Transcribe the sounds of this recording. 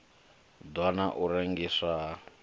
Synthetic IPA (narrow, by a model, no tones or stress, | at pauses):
dwanaʔuɾeŋɡisa